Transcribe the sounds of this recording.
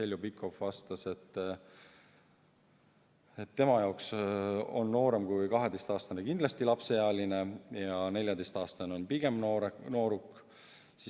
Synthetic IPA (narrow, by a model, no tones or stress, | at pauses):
e̞lʲjubikːˑo̞fvɑst̪ɑse̞t̪ː | et̪ːe̞mɑjɑokso̞nːo̞ːɾe̞mkujkɑɦed̪e̞jst̪ɑːst̪ɑnekind̪lɑst̪ilɑpse̞jɑɑlinejɑne̞lʲjɑd̪e̞jst̪ɑːst̪ɑneo̞npiɡ̥e̞moɾno̞ːɾukː | si